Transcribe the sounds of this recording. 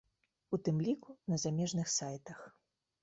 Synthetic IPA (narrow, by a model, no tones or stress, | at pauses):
ut̪ɨmlʲikunɐzamʲɛʐnɨxsajt̪ɐx